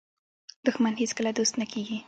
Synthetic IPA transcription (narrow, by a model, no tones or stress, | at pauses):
d̪̥ʊxmanheskəlad̪ost̪nakeɡi